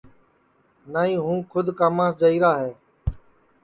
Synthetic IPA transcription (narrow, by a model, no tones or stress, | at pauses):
naːĩːɦũːkʰʊd̪ʱkaːmãːsd͡ʒəiːɾaːɦɛː